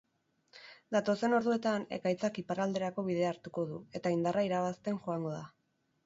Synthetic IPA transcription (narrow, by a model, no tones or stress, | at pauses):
d̪at̪o̞se̞no̞ɾðue̞t̪ane̞̰kajt͡sakipaɾald̪e̞ɾako̞β̞iðe̞aɾt̪uko̞ðue̞t̪aind̪araiɾaβast̪e̞nʝo̞aŋɡo̞ða